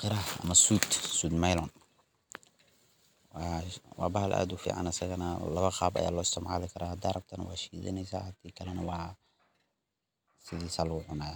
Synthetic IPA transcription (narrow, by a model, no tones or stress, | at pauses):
qɪɾɐhɐ̰mɐsuːd̪suːd̪majlɔn | wawaːbɐhɐlʔa̰ːd̪ufḭːʕa̰nɐsɐɣɐnɐlɐβɐχaːbɐ̰ja̰ːlɔːɪst̪ʰɐmʕa̰lɪkʰɐɾahɐd̪arɐb̚t̪ʰɐnwaːʃiːzɛ̰nɛjsa̰hɐt̪ʰiːkʰɐlɛnɐwaː | sɪðiːsalɐɣʊʕʊnaːð